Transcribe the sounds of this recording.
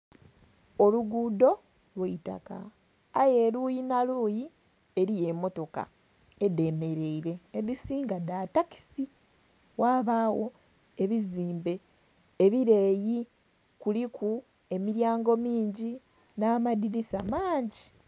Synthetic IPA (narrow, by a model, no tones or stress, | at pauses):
oluɡuːdo̞ | lwaita̰ka̰ː | je̞lujinaluːji | e̞ɾije̞mo̞to̞ka̰ | ede̞me̞ɾe̞iɾe̞ːðisiːŋɡadataki̥si | waːβawo̞ | e̞βiziːmbe̞ː | βiɾe̞ːji | kuliku | e̞miɾjaːŋɡo̞miːɲɟi | naːmadinisamaːɲɟi